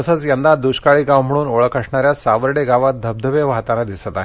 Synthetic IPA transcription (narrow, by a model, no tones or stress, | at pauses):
əsət͡sjənd̪ad̪uɕkaɭiːɡãwm̤əɽ̃uːnoɭəkəʂɳaɾjasaʋəɾɽeɡaʋat̪̚d̪ʱəb̚d̪ʱəʋeʋaɦt̪alad̪isət̪aɦ